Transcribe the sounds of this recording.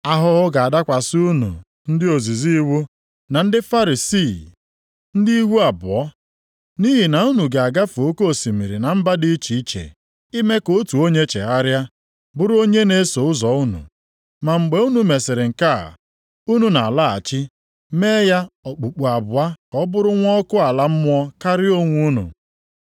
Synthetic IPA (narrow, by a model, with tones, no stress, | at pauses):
a˦ɦʊ˦ɦʊ˦ɡa˨a˨da˦kʷa˨sɪ˦u˦nṵ˨ | n̩˦dɪ˦o˨zi˨zi˦wu˦ | na˨n̩˦dɪ˦fa˦ɾi˨si˦˨ | n̩˦di˦i˦ɦu˦a˨bʊ˨ɔ˦ | ni˦ɦi˨na˨u˦nu˨ɡe˨a˨ɡa˦fo˦ko˦˨si˨mi˨ɾi˨na˨m̩˦ba˦di˦i˦t͡ʃi˨i˦t͡ʃḛ˨ | i˦me˦ko˦tu˨o˦ɲe˦t͡ʃḛ˨ɦa˦ɾja˦ | bʊ˦ɾo˦ɲe˦ne˦so˨ʊ˦zɔ˨u˦nṵ˨ | ma˨ŋ͡m̩˨ɡ͡be˦u˦nu˨me˨sɪ˨ɾɪ˨ŋ̩˨ka̰˦˨ | u˦nu˨na˨a˨la˦a̰˨t͡ʃɪ˦ | me˦ja˦ɔ˨k͡pu˨k͡pu˨a˨bʊ˨a˦kɔ˦bʊ˦ɾʊ˦ŋʷɔ˦kʊ˦a˨la˦m̩˦mʊ˦ɔ˦ka˦ɾɪ˦o˦ŋʷu˦nṵ˨